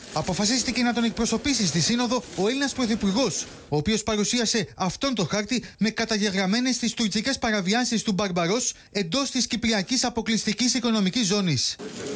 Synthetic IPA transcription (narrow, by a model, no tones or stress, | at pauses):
ɐpo̞fɐsist̪ice̞nɐt̪o̞ne̞k̚pɾo̞so̞pisist̪isino̞ðo̞o̞e̞linɐspɾo̞θipuɾɣo̞s | o̞ːpio̞spɐɾusiɐse̞ɐft̪o̞nt̪o̞xɐɾt̪ime̞kɐt̪ɐʝe̞ɣɾɐme̞ne̞st̪ist̪uɾcice̞spɐɾɐviɐsist̪ubɐɾbɐɾo̞s | e̞nd̪o̞st̪iscipɾiɐcisɐpo̞klist̪icisiko̞no̞micizːo̞nis